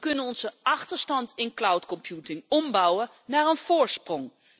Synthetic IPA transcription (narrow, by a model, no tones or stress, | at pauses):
kɵnənɔnzəɑχtəɹstɑntɪnklawtkɔmpjutɪŋɔmbʌwə | naːɹənv̥ʊːɹsprɔŋ